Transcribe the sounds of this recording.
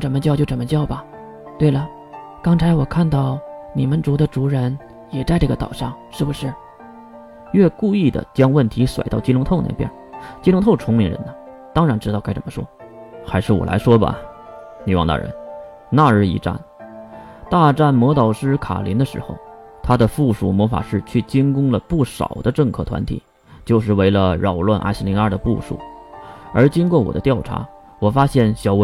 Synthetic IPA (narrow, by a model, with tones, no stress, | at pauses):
ʈ͡ʂə˧˩mə˧t͡ɕjɑ˥˧ʊt͡ɕjo˥˩ʊʈ͡ʂə˩mə˧t͡ɕjɑ˥˩ʊbɐ˩ | t̪we˥˩ɪlə˩ | kɑ˥ŋt͡sʰa˧˥ɪwɔ˨˩kʰa˥˧nt̪ɑ˥˩ʊni˨˩mə˦nʈ͡ʂu˧˥d̪ə˧ʈ͡ʂu˧˥ɻə˧˥n | jɛ˨˩t͡sa˥˧ɪʈ͡ʂɤ˥˩ɡə˨t̪ɑ̰˨˩ʊʂɑ˥˩ŋʂɻ̩˥˩bu˨˩ʂɻ̩˥˩ | ɥɛ˥˧ku˥˧i˥˩d̪ə̰˩t͡ɕjɑ˥ŋwə˥˩nt̪ʰi˧˥swa̰˨˩ɪt̪ɑ˥˩ʊt͡ɕi˥lʊ˧˥ŋt̪ʰo˥˧ʊna̰˥˧˩ɪpjɛ̰˥˩n | t͡ɕi˥lʊ˧˥ŋt̪ʰʊʈ͡ʂʰʊ˥ŋmi˧˥ŋɻə̰˧˥nə˧ | t̪ɑ˥ŋɻa˧˥nʈ͡ʂɻ̩˥t̪ɑ˥˧ʊka˥ɪʈ͡ʂə̰˨˩mə˦ʂwɔ̰˥ | xa˧˥ɪʂɻ̩˥˩wɔ̰˨˩la̰˧˥ɪʂwɔ˥bɐ̰˨ | ni˨˩wɑ˥˧ŋt̪a̰˥˩ɻə̰˧˥n | na˥˧˥ḭ˧˥ʈ͡ʂa̰˥˩n | t̪a˥˧ʈ͡ʂa˥˩nmwɔ˧˥t̪ɑ˨˩ʊʂɻ̩˥kʰa̰˨˩lḭ˧˥nd̪ə˧ʂɻ̩˧˥xo˧˩ʊ | t̪ʰa˥d̪ə˨fu˥˧˩ʂṵ˥˩mwɔ˧˥fa̰˨˩ʂɻ̩˥˩t͡ɕʰy˥˩t͡ɕi˥ŋkʊ˥ŋlə˨pu˥˩ʂɑ̰˨˩ʊd̪ə˦ʈ͡ʂɤ˥˧ŋkʰɤ˥˩t̪ʰwa̰˧˥nt̪ʰḭ˨˩˦ | t͡ɕjo˥˧ʊʂ̬ɻ̩˥˩we˧˥˩ɪlə˧ɻɑ˨˩ʊlwa˥˧nʔa̰˥˧ɪɕi˥li˧˥ŋə˞˥˩d̪ə˩pṵ˥˧ʂṵ˥˩˦ | ə˞˧˥t͡ɕi˥nkwɔ˥˩wɔ̰˨˩d̪ə˦t̪jɑ˥˩ʊʈ͡ʂʰa̰˧˥ | wɔ˨˩fa˥ɕjɛ˥˩nɕjɑ˨˩ʊwe˧˥